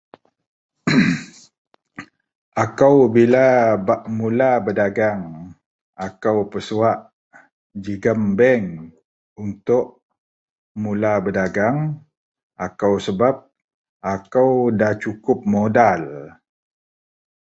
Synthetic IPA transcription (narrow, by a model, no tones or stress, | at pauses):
ʔakawbilabaʔmulabədaɡaŋ | akawpəsuaʔ | d͡ʒiɡəmbɛŋ | unt̪ʊʔ | mulabədaɡaŋ | ʔakawsəbap̚ | ʔakawdat͡ʃukʊp̚modal